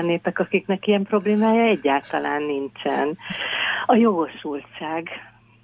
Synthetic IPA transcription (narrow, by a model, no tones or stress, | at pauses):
nːeːpɛkɒkiknɛkijɛmpro̞bleːmaːjɒɛɟːaːlt̪ɒla̰ːnːint͡ʃɛ̰n | ɒjo̞ɡo̞ʃult͡ʃaːɡ